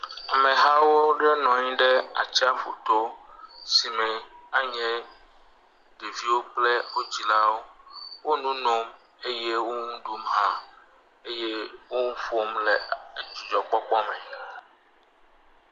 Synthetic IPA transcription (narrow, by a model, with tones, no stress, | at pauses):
a˨mɛ̃˨ɦa˦wo˦ɖɛ˦nɔ̃˨ɲĩ˦ɖɛ˦a̰˨t͡ɕi˦a˦ɸo̰˨t̪o˦si˨mɛ̃˨a˦ɲɛ̃˦ | ɖe˨vi˦wo˦k͡plɛ˦wo˦d͡ʑi˨la˦wo˦wo˦nũ˦no˦m | e˦jɛ˦wo˦ŋũ˦ɖu˦mɦã˦ | e˦jɛ˦wo˦ŋũ˦ɸo˦mlɛ˨˦d͡ʒu˨d͡ʒɔ˨k͡pɔ˦k͡pɔ˦mɛ̃˨